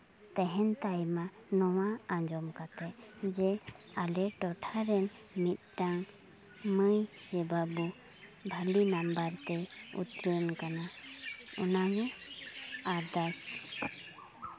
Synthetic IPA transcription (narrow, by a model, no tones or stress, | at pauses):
t̪ɛɦɛnt̪ajmanɔwaãɲd͡ʒɔmkat̪ɛd͡ʒɛalɛʈɔʈʰaɾɛn | mit̪̚ʈaŋ | məjsɛbabu | bʱəlinambaɾt̪ɛṵt̪ɾənkana | ɔnaɡu | aɾd̪as